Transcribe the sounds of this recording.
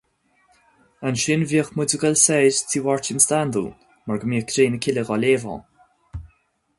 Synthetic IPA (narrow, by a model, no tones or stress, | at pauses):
anʃɪnviːəxmʊdəɡalsɛːd͡ʒtʰiːwɔɹtɪnst̪and̪ṵ | maɹɡəmiːkɾeːnəkʰɪləɡɔleːvɔ̰̃ː